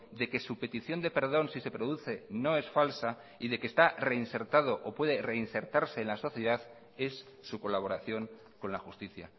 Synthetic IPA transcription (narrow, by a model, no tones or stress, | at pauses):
d̪e̞ke̞supe̞t̪iθjo̞nd̪e̞pe̞ɾð̞o̞nsise̞pɾo̞ðuθe̞no̞e̞sfalsa | iðe̞kest̪are̞inse̞ɾt̪að̞o̞ʔopwe̞ðe̞re̞inse̞ɾt̪aɾse̞ːnlaso̞θjeðað | e̞sː | uko̞laβ̞o̞ɾaθjo̞ŋ | ko̞nlaxust̪iθja